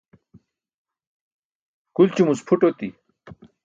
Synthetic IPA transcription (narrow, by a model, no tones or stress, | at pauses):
kult͡ɕumuspʰuʈot̪i